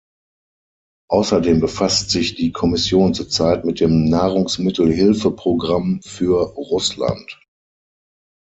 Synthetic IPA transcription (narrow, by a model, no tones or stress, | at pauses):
ʔaʊsɐdeːmbəfastz̥ɪçd̥iːkʰɔmɪsjoːnt͡suɐt͡saɪtmɪt̚d̥eːmnaːʁʊŋsmɪtl̩ɦɪlfəpʁ̥oɡʁamfyːɐʁʊsla̰nt